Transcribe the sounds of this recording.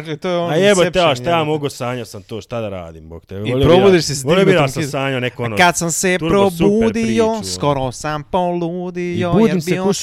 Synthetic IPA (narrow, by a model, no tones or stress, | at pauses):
ʒet̪ojeonaebot̪eaʃt̪ajaːmoɡusaːɲosamt̪oːʃt̪ad̪aɾa̰ːd̪iːmbokt̪eipɾobuːd̪iʃsisoobiɾassaːɲonekoonokad̪samsepɾobuːd̪ijoskoɾosampolud̪ijoːdeimbou